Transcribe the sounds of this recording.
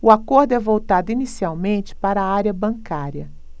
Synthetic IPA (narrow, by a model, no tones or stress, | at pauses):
ʊakoɾd̪ʊɛvowt̪ad̪ʊinisiawmẽt͡ʃɪ̥paɾɐːaɾjɐbɐ̃ŋkaɾjɐ